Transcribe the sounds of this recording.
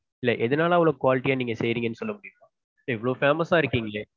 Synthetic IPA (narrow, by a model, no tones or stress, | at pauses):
ɪlːɐʔɛðɐnaːlɐɐʋɐɭoːkʊaːlɪʈːijaːniːŋɡɐsɛjɾiːŋɡɐnːɯsɔlːɐmʊɽɪjɯmãː | ɪlːɐɪʋːɐɭoːfaːmɐsaːɪɾɯkːiːŋɡɐɭeː